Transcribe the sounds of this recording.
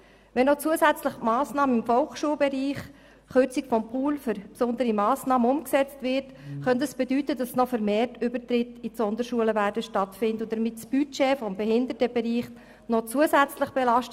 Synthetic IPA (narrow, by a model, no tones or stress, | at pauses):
ʋɛnːɔt͡suəsæt͡sləχmɑːsnɑːməɪmfɔlkʃuːəlbɛɾiːχ | χʏɾt͡sikfɔmpʰuːlfʏɾpsʊnd̪əɾimɑːsnɑːməʊmksɛt͡stvɪɾt | χœntəsb̥ɛdytədɑsnɔfəɾmeːrtʏbəɾtɾɪtisɔnd̪əɾʃuələvæːɾdəʃtɑtfɪndəʊd̥əɾmɪtsb̥yt͡ʃeːfɔmbɛɦɪndətəbɛɾiːχ | nɔt͡suəsæt͡sləχb̥ɛlɑʃt